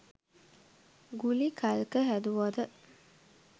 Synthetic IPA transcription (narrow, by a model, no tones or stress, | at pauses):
ɡulikʰalkəɦæd̪uʋad̪ə